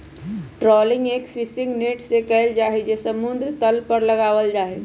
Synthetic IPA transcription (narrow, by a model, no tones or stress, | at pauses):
ʈɾɔːlɪŋɡeːkpʰɪsɪ̃ŋɡneːʈsekəɦɪld͡ʒaːɦed͡ʒesəmund̪ɾt̪əlpəɾləɡaːʋəld͡ʒaːɦe